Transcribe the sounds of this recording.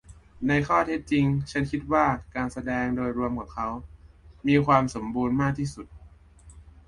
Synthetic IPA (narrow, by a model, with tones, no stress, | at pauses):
na˧jkʰɔː˥˩t̪ʰe˦˥t̪̚t͡ɕi˧ŋt͡ɕʰa˦˥nkʰi˦˥t̪̚waː˥˩kaː˧nsa˧dɛː˧ŋdoː˧jɾu˧əmka˨˩p̚kʰa˦˥wmiː˧kʰwaː˧mso˩˦mbuː˧nmaː˥˩k̚t̪ʰiː˥˩su˨˩t̪̚